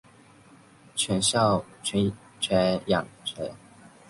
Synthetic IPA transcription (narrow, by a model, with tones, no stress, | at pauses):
t͡ɕʰɥɛ˧˥nɕjɑ˥˩ʊt͡ɕʰɛ˧˥n | t͡ɕʰɥɛ˧˥njɑ˨˩ŋʈ͡ʂʰə˧˥˦